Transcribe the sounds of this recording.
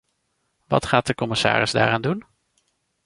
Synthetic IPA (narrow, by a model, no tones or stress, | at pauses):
ʋɑ̰tχaːt̚dəkɔmɪsa̰ːɾɪzda̰ːɾaːndun